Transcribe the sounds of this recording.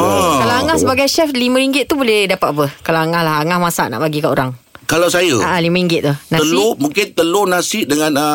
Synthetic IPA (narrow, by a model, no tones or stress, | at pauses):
kalawaŋãhsəbaɡajʃɛflimə̃ɾiŋɡɪt̪̚ːubolɛhdapat̪̚apəkalaaŋahlaɦaŋahmãsa̰ʔna̰ʔbaɡikaʔo̰ɾaŋkalawsajəaʔalimãɾiŋɡɪt̪ʔ̪̚t̪uhnãəlumuŋkɪnt̪əlunasɪʔdəŋãnə